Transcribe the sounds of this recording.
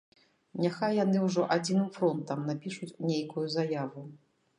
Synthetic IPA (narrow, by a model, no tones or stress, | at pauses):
nʲaxajːanɨwʐɔʔad͡zʲinɨmfɾɔnt̪ɐmnapʲiʂut͡sʲnʲejkujuzajavu